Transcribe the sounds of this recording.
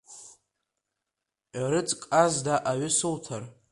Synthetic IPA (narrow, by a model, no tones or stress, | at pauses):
aɾɨt͡sʼkʼazdaʔaɥʏsɨltʰar